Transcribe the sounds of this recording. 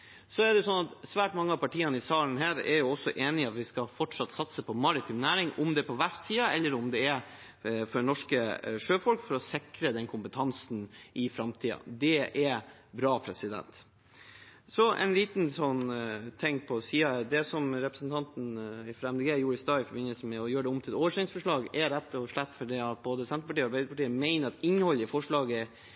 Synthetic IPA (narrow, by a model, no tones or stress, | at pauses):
sɔɛɖɛjʊsɔnɑt̪sʋæːʈmɑŋːəɑpɑʈʰiːɑnəɪsɑːln̩ɦæːɾɛ̰ɾjʊɔsːɔʔeːnɪɑt̪ʋɪskɑfɔʈʂɑt̪sɑt̪səpʰɔmɑɾɪt̪ʰɪmnæːɾɪŋʊmd̪ɛpʰɔʋæft̪siːɑɛlːəɾʊmd̪ɛɛ | fɔnɔʂkəʂøːfɔlkfɔɾɔsɪkɾəd̪ɛnkʰʊmpət̪ʰɑnsnʔɪfɾɑmt̪ʰiːɑ̰d̪ɛɛbɾɑːpʰɾɛsɪd̪ɛ̰nt̪ | sɔʔɛ̰ɪnliːt̪nsɔnːt̪ʰɛŋːpʰɔsiːɑd̪ɛsɔmɾɛpɾəsn̩t̪ʰɑnt̪n̩ɪfɾɛmd̪əɡeːjuːɾɪst̪ɑːɪfɔɾbɪnːəlsəmɛɔjøːɖɛʊmt̪ɪlɛt̪oːʋəʂɛɪŋsfɔʂɭɑːɡɛɾɛt̪ːɔʂɭɛt̪ːfɔɖiːɑt̪̚boːd̪əsɛnt̪ɾpɑʈiːɔɑɾbæɪd̪əpɑʈiːəmæɪnəɾɑt̪ɪnːhɔlːɪfɔʂɭɑːɡə